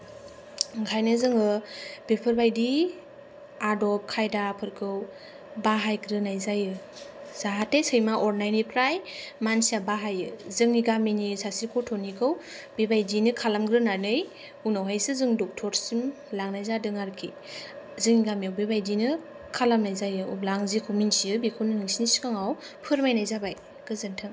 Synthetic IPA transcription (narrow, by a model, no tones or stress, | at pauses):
ɡʰajnɯzɯŋɯbepʰɯɾbajdi | adɔp̚kʰajdapʰɯɾkʰɯw | baɦajɡɾɯnajzajɯ | zaɦatesɯjmaʔɔɾnajnipʰɾajmansijabaɦajɯzɯŋiɡaminisasikʰɔtʰɔnikʰɯw | bebajdinɯkʰalamɡɾɯnanɯj | unawɦajsɯzɯŋdɔk̚tʰɔɾsim | laŋnajzadɯŋaɾkʰḭ | zɯŋiɡamijawbebajdinɯ | kʰalamnajzajɯublaŋzikʰominsiɯbekʰownɯnɯŋsinisi̥kaŋaw | pʰɯɾmajnajzabaj | ɡ̥ɯzɯntʰɯŋ